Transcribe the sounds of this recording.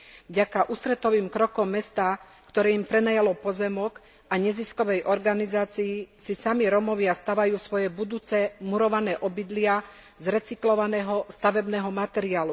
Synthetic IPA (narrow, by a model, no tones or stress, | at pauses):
vɟakaʔuːst̪ɾɛt̪ɔʋiːmkɾɔkɔmːɛst̪aː | kt̪ɔɾɛːimpɾɛnajalɔpɔzɛmɔk | aɲɛziskɔʋɛjʔɔɾɡanizaːt͡sijisisamiɾɔmɔʋɪast̪aʋajuːsʋɔjɛbud̪uːt͡sɛmuɾɔʋanɛːʔɔbid̪lɪa | zɾɛt͡siklɔʋanɛːɦɔst̪aʋɛbnɛːɦɔmat̪ɛɾiaːlu